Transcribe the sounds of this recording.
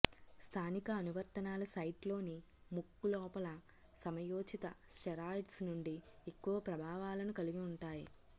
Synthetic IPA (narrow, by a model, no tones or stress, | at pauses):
st̪ʰaːnikɐːnuʋɐɾt̪ɐnaːlɐsɐjʈlo̞ːnimukːulɔːpɐlɐ | sɐmɐjoːt͡ʃit̪ɐsʈɛɾaːʈsnuɳɖiekːuʋɐpɾɐbʱaːʋaːlɐnukɐliɡiuɳʈaːjḭ